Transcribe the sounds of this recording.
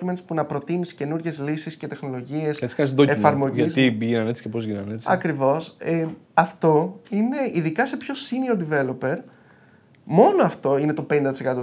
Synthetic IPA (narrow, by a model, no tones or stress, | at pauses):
imenopunɐpɾo̞t̪inisce̞nuɾʝe̞zlisisce̞t̪e̞xno̞lo̞ʝie̞sesi̥kɐnisðoefɐɾmo̞ʝsiʝinɐne̞t͡si̥cepozʝinɐnet͡ssɐkɾivo̞seɐft̪o̞ine̞ʔiðikɐse̞pço̞siniod̪ive̞lo̞pe̞ɾ | mo̞noɐft̪o̞ine̞t̪o̞pe̞nind̪ɐt̪isekɐt̪o